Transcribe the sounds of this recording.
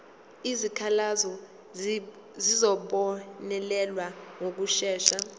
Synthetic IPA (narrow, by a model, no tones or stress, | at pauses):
izikʰalazɔ | zizɔɓɔnɛlɛlwaŋok̬uʃɛːʃa